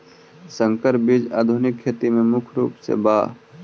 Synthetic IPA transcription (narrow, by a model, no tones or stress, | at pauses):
sə̃ŋkəɾbid͡ʒa̰ːd̪ʱʊnɪkʰːet̪imẽmʊkʰɾṵːpsḛbaː